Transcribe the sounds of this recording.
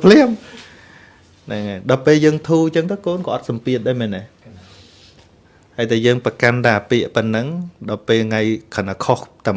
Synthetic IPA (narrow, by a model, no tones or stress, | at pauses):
pʰlɛəm | naŋajɗɑːpeːljəːŋt̪ʰuːt͡ɕəŋt̪əwkoːnkɑːʔɑt̪̚sɑmpiət̪̚ɗaːmɛːnːa | haəjt̪ʰaːjəːŋpəkanɗ̪aːpiəʔpɨnːɨŋɗɑːpeːlŋajkʰanakʰoht̪a